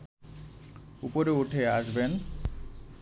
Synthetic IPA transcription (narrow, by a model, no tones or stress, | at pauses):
upoɾeuʈʰeaʃben